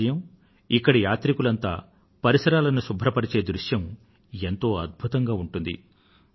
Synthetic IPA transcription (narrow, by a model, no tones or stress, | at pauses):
ɐjɐm | ikːɐɽijaːt̪ɾikulɐnt̪a̰ː | pɐɾisɐɾaːlɐnusubʱɾɐpɐɽit͡ʃe̞ːd̪ɾuʂjɐm | e̞nt̪o̞ːɐd̪̚bʱut̪ɐŋɡaːuɳʈund̪ḭ